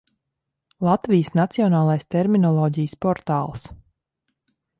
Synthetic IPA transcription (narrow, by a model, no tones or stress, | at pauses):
lˠat̪vijəsnat̪siɔnaːlˠajst̪ɛɾminɔlˠɔːɟijəspɔɾt̪aːlˠs